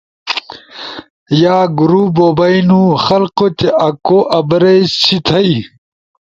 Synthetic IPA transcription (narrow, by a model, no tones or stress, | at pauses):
jaːɡuɾuboːbɐinuːxɐlqot̪eʔɐkoʔɐbɾest͡ɕʰit̪ʰɐi